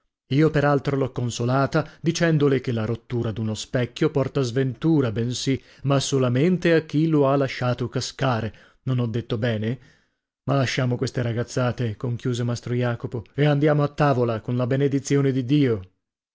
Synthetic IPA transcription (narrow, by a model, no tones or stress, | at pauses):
iːopeɾalt̪ɾolɔkːonsolaːt̪ad̪it͡ʃɛnd̪olek̟elːaɾot̪ːuːɾad̪unospɛkʲːjopɔrt̪azvent̪uːɾabɛnsi | masolament̪eakːiloalaʃːaːt̪okaskaːɾe | nonɔd̪ːet̪ːobɛːne | malːaʃːaːmokwest̪eɾaɡat̪sːaːt̪ekoŋkjuːzemast̪ɾojaːkopoeand̪jaːmoat̪ːaːvolakonlabened̪it̪sjoːned̪id̪iːo